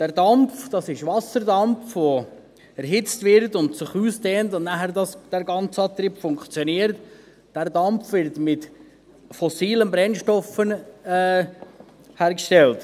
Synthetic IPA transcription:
d̥æɾdɑmfd̥ɑsɪʃʋɑsəɾdɑmfʋo | ɛɾɦɪt͡stvɪɾtʊntsɪχuːsteːntʊnnæɦəɾdɑsd̥æɾɡɑnt͡səɑːt̪ɾiːpfʊŋkχt͡sjoniəɾt | d̥æɾdɑmfʋɪɾtmɪt | fɔsiːlənbɾɛnʃtɔfənɛː | hæːɾkʃtɛlt

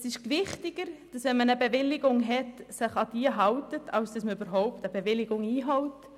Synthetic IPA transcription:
sɪʃkʋɪχtɪɡ̥əɾd̥ɑsʋɛnmənəbevɪlːɪɡʊŋɦɛtsɪχɑd̥iːəɦɑwtətʰɑwsd̥ɑsməybəɾɦɔʊptəbevɪlɪɡʊŋiːɦɔwt

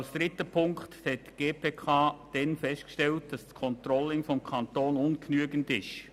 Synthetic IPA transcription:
lsd̥ɾɪtəpʰʊŋkthɛt̚ɡ̥eːpʰeːkʰɑːd̥ɛnfɛstkʃtɛlt̚d̥ɑskʰɔnt̪ɾɔlɪŋfɔmkʰɑnt̪oːnʊnknyəɡəndɪʃ

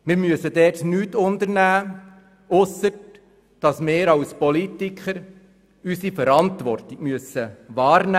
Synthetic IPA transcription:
mɪːɾmyəsədɛːtnyːtʊndəɾnæː | ɔsə | d̥ɑsmɪːɾɑwspɔlitikχəɾ | ysifəɾɑntʋɔrtiɡ̥myəsəʋɑːɾnæ

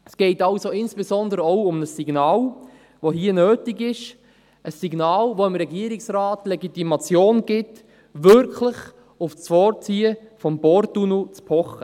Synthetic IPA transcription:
əsɡ̥ɛɪtɑʊsoɪnsb̥ezɔnd̪əɾəɔʊʊmnəsːiɡnɑːl | ʋohiənøːtiɡɪʃ | əsːiɡnɑːlʋoɪmɾɛɡiəɾiksɾɑːtlɛɡitimɑt͡sjoːnɡ̥ɪt | ʋʏɾkʰləχ | ʊft͡sfɔːɾt͡siːəfɔmbɔɾtunut͡spʰɔχə

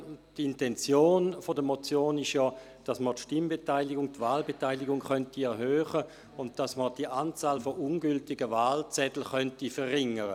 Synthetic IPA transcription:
d̥intɛnt͡sjoːnfodəmot͡sjoːnɪʃjɔ | d̥asmətʃtɪmbetaɪlɪɡʊŋtvaːlbetaɪlɪɡʊŋχœntiɛʁɦøːχə | ʊnt̚d̥asməd̥iʔant͡saːlfɔʔʊnɡʏltɪɡəvaːlt͡sɛdl̩χœntifəʁːɪŋəʁə

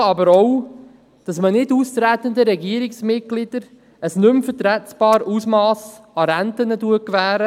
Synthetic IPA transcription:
ɑbəɾɔw | d̥ɑsmənɪduːst̪ɾæt̪ənd̪əɾɛɡiəɾɪksmɪt̚ɡ̥lɪd̥əɾ | əsnʏmfəɾtɾɛtb̥ɑːɾusmɑːsɑɾænt̪ənəduəkʋæːɾə

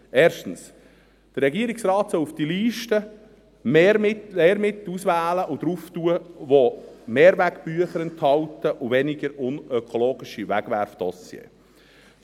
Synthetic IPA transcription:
ʔeːɾʃtən̩s | d̥ərɾɛɡiəɾɪksrɑːt̪sɔlufd̥iliːʃtə | meːmɪeːɾmɪt̪usʋæːləʔʊd̥̪ɾuftuəʋomeːɾʋæɡb̥yəχəɾɛnthɑwtəʔʊvɛnɪɡəɾʊnœkʰɔloːɡ̥ɪʃiʋæɡ̥ʋæɾfd̥ɔsjḛː

